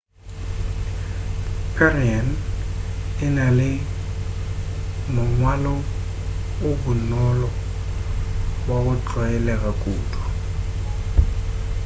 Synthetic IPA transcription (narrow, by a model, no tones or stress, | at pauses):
pʰɛrian | ɪnalɪ | mʊŋwalɔ | ʊbʊnɔlɔ | bwaɣʊt͡ɬʼwajɛlɛk̬ʼakʼuːtʰʼɔ̥